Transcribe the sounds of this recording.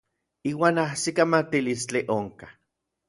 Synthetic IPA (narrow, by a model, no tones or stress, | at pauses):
iːwaːnahsikamat̪ilist͡ɬiʔoŋkḁ